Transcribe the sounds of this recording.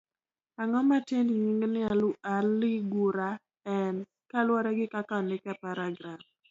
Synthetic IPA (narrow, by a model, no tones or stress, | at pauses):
aŋɔmateniɲiŋɡnɪaalɪɡuɾa | ɛn | kalwɔɾɛɡɪkakanlɪkɛpaɾaɡɾam